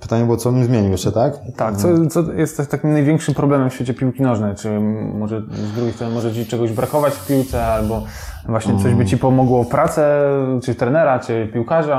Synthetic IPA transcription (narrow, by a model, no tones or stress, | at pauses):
pɘ̥t̪aɲɛbɨwɔt̪sɔmizmʲjeɲivaɕt͡ɕɛt̪akt̪ak̚t̪sɔt̪sɔjɛst̪ːɛt̪ːakʲimnajvʲɛŋkʂɘmpɾɔblɛmɛmfɕfʲet͡ɕɛpʲiwkʲinɔʐnɛjt͡ʂɘmɔʐɛzd̪ɾuɡʲejsɾɔnmɔʐɛt͡ɕit͡ʂɛɡɔʑbɾakɔvat͡ɕfpʲiwt̪sɛalbɔ | vwaɕɲɛt̪ɔʑbɘt͡ɕipɔmɔɡwɔfpɾat̪sɛt͡ʂɘt̪ɾɛnɛɾat͡ʂɘpʲiwkaʐa